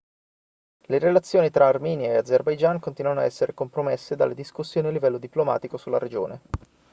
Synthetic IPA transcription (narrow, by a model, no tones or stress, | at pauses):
leɾelat̪sːjoːnit̪ɾaːrmiːnjaead̪zerbajd͡ʒaŋkont̪iːnuwanoa̰ɛsːeɾekompɾomesːed̪a̰lːed̪iskusːjoːnialːivɛlːod̪iploma̰ːt̪ikosulːa̰ɾed͡ʒo̰ːne